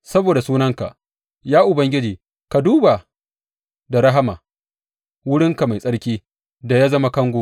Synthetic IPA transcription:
sɐ˦boː˨da˨suː˦nɐ˦ŋka̰˨ʔ | jaː˦ʔʊ˨bɐ˦ŋɡʲɪ˦d͡ʒiː˨ | ka˨duː˦ba˨ | da˨ɽɐ˦ɦa˦maː˨ | wʊ˦ɽɪ˦ŋka˨ma˨jsʼɐ˦ɽkʲiː˦ | da˨jaː˦zɐ˦ma˦kɐ˦ŋɡʷoː˨

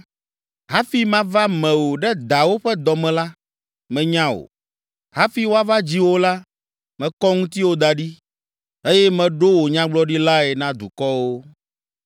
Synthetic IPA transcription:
ɦa˦fi˦mã˦va˦mɛ̃˨wo˨ɖɛ˦d̪a˨wo˦ɸɛ˦d̪ɔ˨mɛ̃˨la˦ | mɛ̃˨ɲã˦o̰˨ | ɦa˦fi˨˦wo˦a˦va˦d͡ʑi˦wo˦la˦ | mɛ̃˨kɔ˦ŋũ˦t̪i˦wo˦d̪a˨ɖi˦ | e˦jɛ˦mɛ̃˨ɖo˦wo˨ɲã˦ɡ͡blɔ˦ɖi˦la˦ɛ˨nã˦d̪u˨kɔ˦wo˦

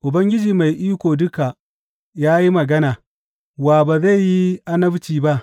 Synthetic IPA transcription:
ʔʊ˨bɐ˦ŋɡʲɪ˦d͡ʒiː˨ma˨jʔiː˦kʷoː˨dʊ˦ka˨ | jaː˦ji˦mɐ˨ɡɐ˦naː˨ | waː˨baː˨za˦˨jːi˦ʔa˦nɐ˦bt͡ʃiː˨ba˦ʔ

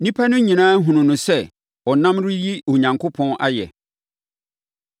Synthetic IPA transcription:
nĩ˦pʰa˦nʊ̃˦ɲĩ˨nãː˦ɦũ˨nʊ̃˨nʊ̃˨sɛ˦ | ɔ˨nã˦mɾʊ˦ji˦o˨ɲã˨ŋkʰʊ˦pʰɔ̃˦na˦jɛ̰˨

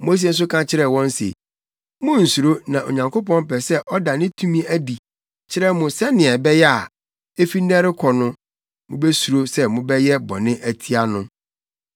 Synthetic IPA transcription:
mː˨˦s̬ie˦n̩˦s̬ʊ˦kʰã˦t͡ɕʰɪ˦ɾɛ˨wɔ̃˦n˦sḛ˨ | mʊ̃˦n̩˨su˨ɾo˦nã˨ʔo̰˨ɲã˨ŋko˦pɔ̃˦mpɛ˨sɛ˦ʔɔ˦da˨nɪ̃˦tʰũ˦mĩ˦æ˦di˨ | t͡ɕʰɪ˦ɾɛ˦mʊ̃˨sɛ˦nɪ̃˨ɛ˨bɛ˦jɛ˦a˨ | e˦fi˦n̩˦nɛ̃˦ɾɪ˦kʰɔ˨nʊ̃˦ | mʊ̃˦bɛ˦su˨ɾo˦sɛ˦mʊ̃˦bɛ˦jɛ˦bɔ̰˨nɪ̃˦ʔæ˨tʰi˦a˦nʊ̃˦

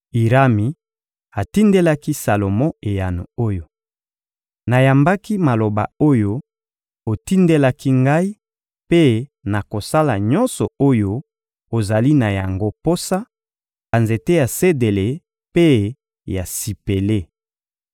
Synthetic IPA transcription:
i˨ʁa˦mi˨ | a˨ti˦nde˦la˦ki˦sa˨lo˨mɔ̃˦e˨ja˨nṵ˨o˦jo˨ | na˨ja˨mba˦ki˦ma˨lo˨ba̰˨o˦jo˦ | o˨ti˦nde˦la˦ki˦ŋɡa˦i˦ | pe˦na˨ko˨sa˦la̰˨ɲɔ̃˦nsɔ˨o˦jo˦ | o˨za˨li˦na˨ja˨ŋɡo˦po˦sa˦ | ba˨nze˨te˦ja˨se˦de˨le˨ | pe˦ | ja˨si˨pe˨le˦

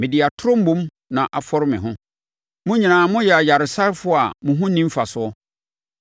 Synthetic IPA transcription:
mɪ̃˨dɪ˨a˨tʰʊ˦ɾʊ̃˦m̩˦bũ˦m | nã˨ʔa˨fɔ˦ɾɪ˦mɪ̃˨ɦʊ̃˦ | mʊ̃˦ɲĩ˨nãː˨mʊ̃˦jɛ˨a˨ja˨ɾɪ˨sa˦ɾfʊ˦a˨mʊ̃˨ɦʊ̃˦nĩ˦m˦fa˨sʊ˨˦ɔ˦

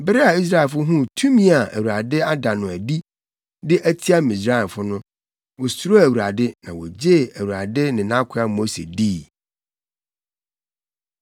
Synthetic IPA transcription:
bɪ˦ɾɪ˦a˨i˦s̬ɾa˦˨lfʊ˦ɦũ˦tʰũ˦mĩ˦a˨æ˨wu˨ɾa˨dɪ˦a˦da˨nʊ̃˨æ˨di˦ | dɪ˦ʔæ˦tʰi˦a˦mĩ˨s̬ɾa˦˨fʊ˦nʊ̃˦ | wɔ˨su˦ɾo˦æ˨wu˨ɾa˨dɪ˦nã˨wɔ̰˨d͡ʑe˦˨æ˨wu˨ɾa˨dɪ˦nɪ̃˨nã˦kʷʰʊ˦a˨mo˦sḛ˨diː˦˨

